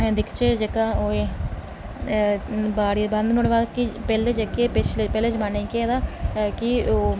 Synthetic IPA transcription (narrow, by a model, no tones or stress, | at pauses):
ɦɛ̃d̪ɪkʰt͡ʃeːd͡ʒekaːoːe | baːɽibə̃nd̪noɽʋaːkipɛːled͡ʒekepɪt͡ʃlepɛːled͡ʒmaːnẽĩkeːd̪aːkio